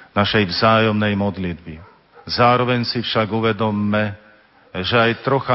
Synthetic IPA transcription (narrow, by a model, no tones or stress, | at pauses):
naʃɛjʋzaːjɔmnɛjmɔd̪lid̪bi | zaːɾɔʋɛɲsifʃaɡuʋɛd̪ɔmːɛ | ʒɛajt̪ɾɔxa